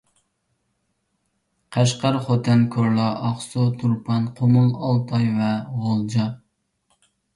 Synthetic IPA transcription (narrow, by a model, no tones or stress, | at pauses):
qʰæʃqɑɾχot̪ʰɛnkʰʲoɾlˠɑʔɑχsot̪ʰuɾpʰɑnqʰomɨlˠɑlˠt̪ʰɑjvɛʁolˠd͡ʒɑ